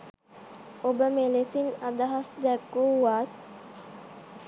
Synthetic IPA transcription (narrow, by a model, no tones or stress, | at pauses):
obəmelesinɐd̪ɐɦɐsd̪ɛɡːuːʋaːt̪